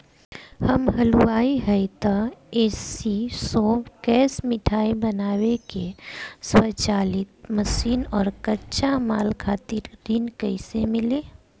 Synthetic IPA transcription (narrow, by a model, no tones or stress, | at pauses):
həmɦəluaːiɦɛjt̪aeːsisoːkɛːsmɪʈʰaːibənaːwekeswət͡ʃaːlɪt̪məsiːnɔːɾkətːʃamaːlkʰaːt̪ɪɾɾɪnkəɪsemɪleː